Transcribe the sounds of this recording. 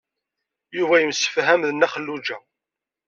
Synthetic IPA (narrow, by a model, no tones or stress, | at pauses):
juvæjəmsə̥fɦæmðənːæχəlːud͡ʒæ